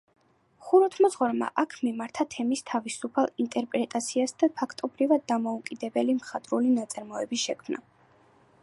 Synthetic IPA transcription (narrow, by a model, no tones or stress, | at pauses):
χuɾɔt̪ʰmɔzʁɔɾma̰ʔakʰmimaɾt̪ʰat̪ʰɛmist̪ʰavisupʰalˠint̪ʼɛɾpʼɾɛt̪ʼat̪sʰiasd̪apʰakʰt̪ʼɔbɾivad̪̚ːamɔukʼid̪ɛbɛlimχat̪ʼɾulinat̪sʼaɾmɔɛbisʃɛkʰmna̰